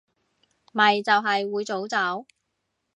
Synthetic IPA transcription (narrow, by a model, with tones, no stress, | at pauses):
mɐ˨jt͡sɐ˨˧wɦɐ˨jwuː˨˧jt͡so˨˥wt͡sɐ˨˥w